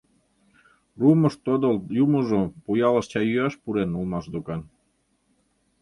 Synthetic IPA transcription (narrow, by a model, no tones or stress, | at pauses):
rumə̆ʃt̪od̪oljumoʒopujɑlə̆ʃt͡ɕɑjyɑʃpuɾenulmɑʃd̪okɑn